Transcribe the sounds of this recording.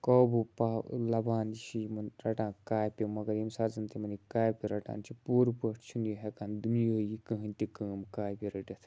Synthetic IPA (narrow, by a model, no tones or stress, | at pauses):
koːbupaːlɐbaːniʃʰimɐnɾɐʈãːkaːjpʲimɐɡɐɾimsaːzɐnt̪ʰimɐnikaːjpʲiɾɐʈa̰ːnt͡ʃʰipuːɾpəʈʰt͡ʃʰunjiɦekaːnd̪unjoːjikə̃ɦə̃nʲt̪ikəːmkaːjpʲiɾɐʈɐt̪ʰ